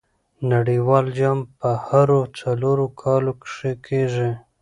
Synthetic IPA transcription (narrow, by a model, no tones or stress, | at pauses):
naɽiwɑld͡ʒɑmpəhaɾot͡saloɾokʰɑlokʂekʰeʐi